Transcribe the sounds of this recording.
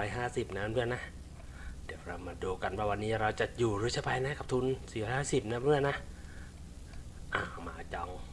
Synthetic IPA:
ɔː˦˥jɦaː˥˩si˨˩p̚naː˧˥˨mɯ˥˩əna˦˥ʔ | diː˨˦wɾa˧wmaː˧duː˧ka˧npʰaː˧˩wa˧nːiː˦˥ɾa˧wt͡ɕa˨˩juː˨˩ɾɯː˧˦t͡ɕʰa˧˩pa˧jna˦˥ka˨˩p̚t̪ʰu˧˥nsiː˨˩ɾɔː˦˥jhaː˥˩si˨˩p̚naː˧˥mɾɯ˥˩əna˦˥ʔ | ʔa̰ː˧˩ma̰ː˨˧t͡ɕɔ˧ŋ

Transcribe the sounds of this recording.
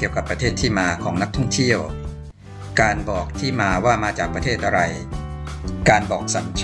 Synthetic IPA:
ki˨˩əwka˨˩pːɾa˧t̪ʰeː˥˩t̪ʰːiː˥˩maː˧kʰɔː˩˦ŋna˦˥k̚t̪ʰɔ˥˩ŋt̪ʰi˥˩əw | kaː˧nbɔː˨˩k̚t̪ʰiː˥˩maː˧waː˥˩maː˧t͡ɕaː˨˩k̚pɾa˧t̪ʰeː˥˩t̪̚ʔa˧ɾa˧j | kaː˧nbɔː˨˩k̚sa˨˩˦nt͡ɕʰ

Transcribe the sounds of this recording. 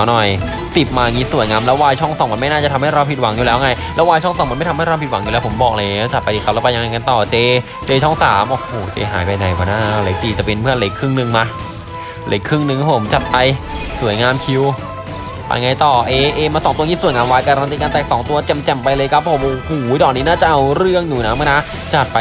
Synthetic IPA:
nɔ˨˩j | si˨˩p̚maː˧ŋi˦˥su˨˩˦əjŋaː˧mlɛː˦˥waː˧jt͡ɕʰɔ˥˩ŋsɔː˨˩˦ŋma˧nma˥˩jna˥˩t͡ɕa˨˩t̪ʰmha˥˩jɾa˧wpʰi˨˩wa˨˩˦ŋjuː˨lɛː˦˥˧ŋa˧jlɛː˧˦˥waː˧jt͡ɕʰŋsɔː˨˦ma˧nm˥˩t̪ʰha˥˩jɾa˧pi˨˩t̪̚wa˩˦ŋjuː˨lɛː˦˥wpʰo˩˦mbɔː˨˩k̚la˧˨˦t͡ɕa˨˩t̚pa˧j̪iː˧kʰa˦˥plɛ˦˥pa˧ja˧ŋa˧ŋa˧nt̪ɔː˨˩t͡ɕeː˧ | t͡ɕeː˧t͡ɕʰɔ˥˩ŋsaː˩˦mʔo˧˩oː˨˩t͡ɕḛː˧ɦaː˨˩˦jpa˧jna˨˩jka˧˦naː˥˩˧le˨˦˥k̚t̪iː˧t͡ɕa˨˩pe˧npʰɯ˥˩ənle˦˥kʰːɯ˥˩ŋnɯ˧ŋma˦˧ | lḛ˦˥kʰːɯ˥˩ŋnɯ˧ŋkʰːa˦˥pːʰo˩˦mt͡ɕa˨˩t̪̚pa˧jsu˨˩˦jŋaː˧mkʰi˧w | pa̰˧jŋa˧jt̪ɔː˨˩ʔeː˧ʔeː˧maː˧sɔː˨˦t̪u˧ɐk̪ʰiː˥˩su˨˩˦jŋaː˧mwaː˧jka˧ɾa˧nt̪i˧ka˧nt̪ɛː˨˩ksɔː˩˦ŋt̪u˧ɐt͡ɕe˧˩mt͡ɕɛ˨˩mpa˧jlɤː˧kʰa˦˥p̚ʰːo˨˩˦mʔoː˧˩huː˩˦d̪ɔː˨˩niː˦˥naː˥˩t͡ɕa˨˩ʔa˧wɾɯ˥˩əŋjuː˨˩na˦˥ma˧˥˩na˦˥ | t͡ɕa˨˩t̪̚pa˧

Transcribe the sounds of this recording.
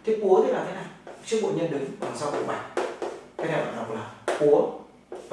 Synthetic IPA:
t̪ʰe˨˦ku˨˦ət̪ʰe˨˦naː˨˩k̪a˨˦naː˨˩t͡ɕi˦˥k̚ɓo̰˧˨ɲə˧nɗɨ˨˦ŋlaː˨˩msaː˧wkṵ˧˥ŋ͡mɓa˨˩jŋ̟̚kʰa˨˦t̪a˧˩ɓa̰ː˧˨ŋɗa˨˩k͡p̚laː˨˩ku˨˦ə

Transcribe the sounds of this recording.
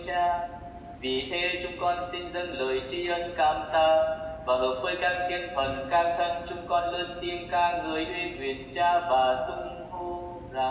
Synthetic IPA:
aː˧ | vḭ˨˩h̪e˧t͡ɕʊ˧ŋ͡mkɔ˧nsi˧nzə˧˥nləː˨˦jt͡ɕi˧˦ʔə˧nkaː˧˩mt̪aː˧˩vaː˨˩ɣə˨˩˦t̚vəː˧˦jɗaː˧ŋt̪ʰi˧ənt̪ʰə˨˩nkaː˧ŋt̪ʰə˧ŋt͡ɕʊ˧ŋ͡mkɔ˧nlə˧nt̪i˧ənkaː˧ŋŋɨ˨˩əjʔi˧kwḭ˨˩ənt͡ɕaː˧vaː˨˩t̪ʊ˧ŋ͡m | vo˧ | zaː˨˩

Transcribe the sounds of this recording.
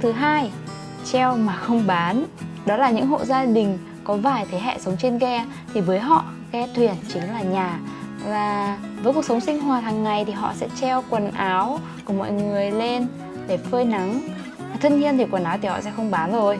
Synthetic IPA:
t̪ʰɨ˨˦ɦaː˧j | t͡ɕɛ˧wmaː˨˩xə˧wŋ͡mɓaː˨˦nɗɔ˨˦laː˨˩ɲɨ̰˧˥ŋɦo̰˧˨zaː˧ɗï˨˩ŋ̟ | kɔ˨˦vaː˨˩jt̪ʰe˨˦ɦɛ̰˧˨sə˨˦wŋ͡mt͡ɕe˧nkɛ˧ | t̪ʰi˨˩vəː˨˦jɦɔ̰˧˨ | kɛ˧t̪ʰwi˨˩ənt͡ɕɨ˨˦ŋlaː˨˩ɲaː˨˩ | zaː˨˩vəː˨˦jku˨˩sə˨˦wŋ͡msï˧ŋ̟ɦwaː˨˩haː˨˩ŋːa˨˩jt̪ʰi˨˩ɦɔ̰˧˨sɛ̰˧˥t͡ɕɛ˧wkwə˨˩nʔaː˨˦wku˧˩əmɔ̰˧˨jŋɨ˨˩əjle˧n | ɗe˧˩fəː˧jna˨˦ŋ | a˨˩t̪ʰə˧nhi˧ənt̪i˨˩kwə˨˩nʔaː˨˦wt̪i˨˩hɔ̰˧˨sɛ̰˧˥xə˧wŋ͡mɓaː˨˦nzo˨˩j

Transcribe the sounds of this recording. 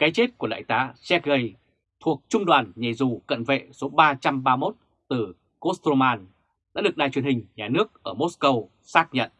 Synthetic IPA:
kaː˨˦jt͡ɕe˦˥t̚ku˧˩la̰ː˧˨jt̪aː˨˦sɛ˦˥k̚ɣə˧˩j | t̪ʰu˨˩ək̚t͡ɕʊ˧ŋ͡mɗwaː˨˩nɲe˧˩zu˨˩kə̰˧˨nvḛ˧˨so˨˦ɓaː˧t͡ɕa˧mɓaː˧mo˦˥t̚ | t̪ɨ˨˩ | ko˦˥st̪o˧maː˧n | ɗa̰ː˧˥ɗɨ˨˩əɗa̰ː˧˨˩t͡ɕwɥəhï˨˩ŋ̟ɲaː˨˩nɨ˦˥ək̚ʔəː˧˩mo˦˥tskə˧w | saː˦˥k̚ɲə̰˧˨n

